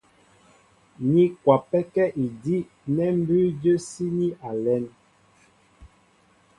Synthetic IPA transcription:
ni˦kwa˨pɛ˦kɛ˦ʔi˨di˦ | nɛ˦m̩˦bʉ˦d͡ʒə˦si˦ni˦ʔa˨lɛ˦n

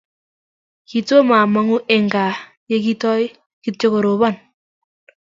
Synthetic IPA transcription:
ki˨to˦ma˨ma˦ŋu˦ʔe˨ŋɡa˨ | je˦ki˦tɔ˦j | ki˦tjo˦ko˨ɾo˨βɔ˦˨n

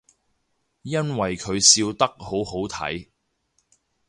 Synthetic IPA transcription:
jɐ˥nwɐ˨jkʰɵ˨˧ɥsiː˧wt̪ɐ˥k̚ho˨˥who˨˥wt̪ʰɐ̰˨˥j

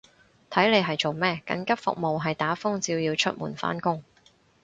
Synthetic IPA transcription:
t̪ʰɐ˨˥jle˨˧jɦɐ˨jt͡so˨wmɛː˥kɐ̰˨˥nkɐ˥p̚fʊ̰˨k̚mo˨wɦɐ˨jt̪aː˨˥fʊ˥ŋt͡siː˧wjiː˧wt͡ʃʰɵ̰˥t̚mṵː˨˩nfa̰ː˥nkʊ˥ŋ

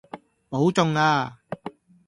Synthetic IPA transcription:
po˨˥wt͡sʊ˧ŋaː˧

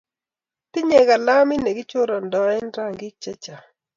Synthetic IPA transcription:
tɪ˦ɲɛ˨ɡa˨la˦mɪ˦ne˨ɡɪ˦t͡ʃo˦ɾɔ˨ndɔ˨ɛ˦nɾa˦ŋɡɪ˦t͡ʃɛ˦t͡ʃa˨

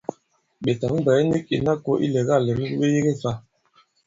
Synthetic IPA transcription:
ɓe˨ta˨ŋ̩˦ba˨jɛ˦ni˦ki˨na˦ko˦ʔḭ˦lɛ˨ɣa˦˨le˨m̩˦ɡɓe˦je˦ɣe˦sa˦

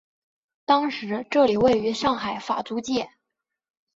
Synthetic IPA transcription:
t̪ɑ˥ŋʂɻ̩˧˥ʈ͡ʂɤ˥˩li˨˩we˥˩ɪy˧˥ʂɑ˥˩ŋxa˨˩ɪfa̰˨˩t͡su˧˥t͡ɕjɛ˥˩

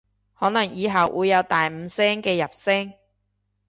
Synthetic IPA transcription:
hɔː˨˥nɐ˨˩ŋjiː˨˧ɦɐ˨˩wʔuː˨˧jːɐ˨˧wt̪aː˨jm̩ː˨˧sɛː˥ŋkɛː˧jɐ˨˩p̚sɛ˥ŋ

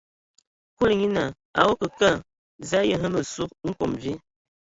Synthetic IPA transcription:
ku˦lŋi˦na˨ | a̰˨wo˦kə˨ka˦˨ | za˦jə˦ɦə˦mə˨su˦k̚ŋ̩˦ko̰˨mvi˦

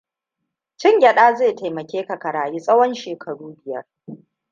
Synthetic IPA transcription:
t͡ʃɪ˦ŋɡʲɐ˨ɗaː˦zeː˦˨ta˨jmɐ˨kʲeː˦ka˨kɐ˨ɽaː˨jiː˦sʼɐ˦wɔ˦nʃeː˨kʰɐ˨ɽuː˦bɪ˨jɐ̰˦r

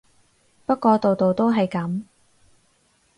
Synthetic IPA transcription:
pɐ˥t̚kɔː˧t̪o˨wt̪o˨wt̪o˥wɦɐ˨jkɐ˨˥m

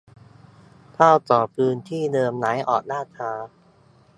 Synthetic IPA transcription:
p̪ʰaː˥˩wt̪ɔː˨˩pʰɯː˧nt̪ʰiː˥˩nɤː˧mnaː˩˦jʔɔ̰ː˨˩k̚naː˥˩t̪ʰaː˧

